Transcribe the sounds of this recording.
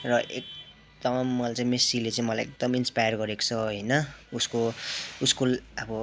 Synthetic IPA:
rʌʔek̚ | d̪ʌmːʌlat͡sãĩmesilet͡saĩmʌlajek̚d̪ʌminspajʌrɡʌɾeko̥t͡sʰʌɦʌjnʌuskouskolʌbʌ

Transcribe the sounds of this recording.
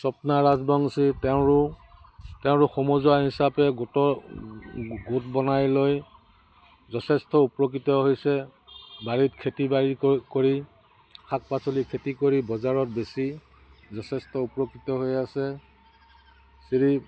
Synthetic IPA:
sɔpnaɹazbɔŋsitɛʊ̃ɹʊ | tɛʊ̃ɹʊxɔmɔzɔaɦisapɛɡtɔ | ɡutbɔnajloj | zɔtʰɛstɔupɹokɹitɔɦojsɛ | baɹitkʰetibaɹikoɹi | kʰak̚pasolikʰetikoɹibɔzaɹɔt̚besi | zɔtʰɛstɔupɹokɹitɔɦojasɛ | siɹi

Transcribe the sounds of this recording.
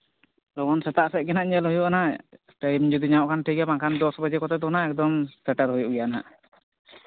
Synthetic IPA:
lɔɡɔnsɛt̪aʔsɛʔ̚ˀɡɛnaʔɲɛlɦujuʔana | ʈəjmd͡ʒud̪iɲaʔkʰanʈʰikɛmakʰand̪ɔsbəd͡ʒɛkɔt̪ɛt̪unaɛk̚d̪ɔmsɛʈəɾɦujuʔɡɛjana

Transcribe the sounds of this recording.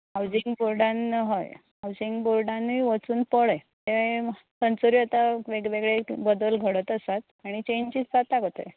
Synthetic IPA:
ɦawd͡ʑiŋɡboɾɖanɦɔ̰jɦawd͡ʑiŋɡboɾɖãnʋiʋət͡suːnpəɭəjt̪eʋasənt͡soɾiət̪aʋeɡʋeɡɭebəd̪əlɡʱəɽət̪əsat̪ | aɽ̃it͡ɕeɲt͡ɕiːt͡st͡sat̪akot̪ə̰j

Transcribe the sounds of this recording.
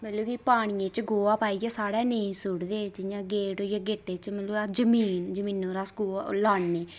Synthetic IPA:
məloːkiːpaːɽ̃ɪjẽːt͡ʃɡoːaːpaːiːɡaːsaːɽɛːnẽĩːsʊɽd̪eːd͡ʒɪjãːɡeːʈojãːɡeːʈːeːt͡ʃməloːad͡ʒəmiːnd͡ʒəmiːnõːɾaːskoːlaːnːeː

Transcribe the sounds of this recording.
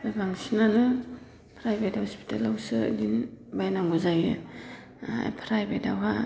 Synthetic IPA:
babaŋsinanɯ | pʰɾajbethɔspi̥tʰalawsɯ̰ɡinbajnaŋɡɔzajɯ | a̰jpʰɾajbetawɦa

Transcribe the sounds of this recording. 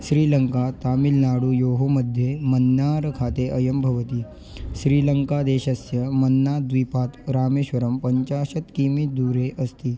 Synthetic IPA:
ɕɾiːləŋkat̪amilnaɽuːjoɦoməd̪ʱːjemənːaɾəkʰat̪eʔəjəmbʱɐʋət̪iː | ɕɾiːləŋkad̪eɕəsjəmənːad̪ʋipat̪ɾaːmeɕʋəɾəmpəɲt͡ɕaɕət̪kimid̪uːɾeʔəst̪iː

